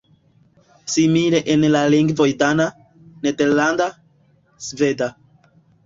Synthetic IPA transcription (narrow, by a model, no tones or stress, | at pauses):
simileʔenlaliŋɡvo̞jdana | nedeɾlanda | sve̞da